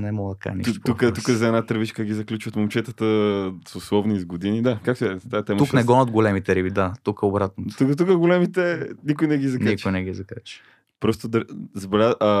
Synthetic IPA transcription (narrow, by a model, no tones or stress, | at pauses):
nɛmɔɡd̪ka̰ʒnḭt̪p̪ukət̪ukəzɐɛnat̪əɾvit͡ʃkəɡʲizɐklʲut͡ʃvət̪momt͡ʃɛt̪ət̪əsʊslˠɔvnizɡod̪inid̪akak̚t̪oɛzt̪at̪ɛmunɛɡɔnod̪ɡolɛmit̪ɛɾibid̪at̪ukəobɾat̪̚not̪ukt̪ukəɡolɛmit̪ɛnikʊjnɛɡizɐknaikt͡ʃojnɛɡizɐkat͡ʃi̥ | pɾɔst̪ʊd̪ɐzbɛɾʲaʔɐ